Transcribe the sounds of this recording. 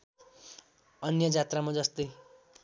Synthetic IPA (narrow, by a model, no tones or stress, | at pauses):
ʌnjʌd͡zat̪ramad͡zʌst̪ʌj